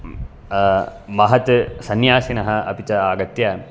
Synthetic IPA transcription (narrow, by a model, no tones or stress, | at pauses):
mɐɦɐt̪ɨsɐnjaːsinɐɦɐɐpit͡ʃɐaːɡɐt̪ja